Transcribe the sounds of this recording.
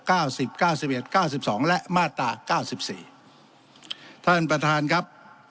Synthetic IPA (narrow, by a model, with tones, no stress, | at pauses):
kaː˥˩wsi˨˩p̚kaː˥˩wsi˨˩p̚ʔe˨˩t̪̚kaː˥˩wsi˨˩p̚sɔː˩˦ŋlɛ˦˥ʔmaː˥˩t̪ɾaː˧kaː˥˩wsi˨˩p̚sḭː˨˩ | t̪ʰa˥˩npɾa˧t̪ʰaː˧nkʰa˦˥p̚